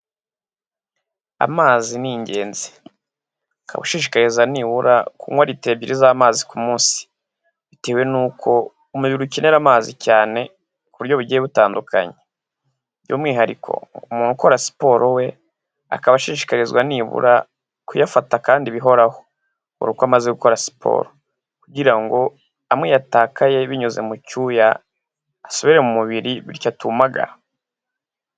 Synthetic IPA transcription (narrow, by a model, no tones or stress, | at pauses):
a̰maːziniːɲɟe̞ːnzi | kʰa̰βuʃiːʃi̥kaɾizaniːβuɾa̰kuŋwaɾite̞bɟiɾizaːmaːzikumuːnsi̥ | βiteːwe̞nuːkʰo̞ | umuβiɾucene̞ɾamaːzicaːne̞ | kuβuɾjo̞βuɾɟijeβutaːndukʰa̰ɲe | jṵːmŋiːɦaɾḭkʰo̞̰umuːnuko̞ɾasi̥po̞ɾʔowe̞ | a̰kaβaʃiːʃi̥kaɾizɡwaniβṵɾa | kujafatakaːndiβiɦo̞ɾaho̞̥ | ṵɾukwamaze̞ɡuko̞ɾasi̥pʰo̰ːɾo | kuɟiɾaŋɡo̞ | amŋwijataːkaje̞βiɲuze̞̰mucuːja | aso̞βiɾe̞mumuβiɾiβiɾcatumaɡa̰ɾa